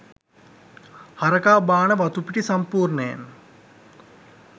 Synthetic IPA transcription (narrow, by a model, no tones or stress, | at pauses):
hɐɾɐkaːbaːnəʋɐt̪upiʈisɐmpuːrnəja̰n